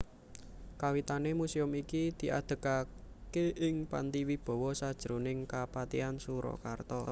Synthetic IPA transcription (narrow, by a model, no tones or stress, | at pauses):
kawit̪anemuseʊmikid̪̥i̤ʔa̰d̪̥ə̤kakeʔɪŋpa̰nt̪iwib̥ɔ̤wɔsad̥ʒ̥əɾonɪŋkapat̪ḭansuɾɔ̰kart̪ɔ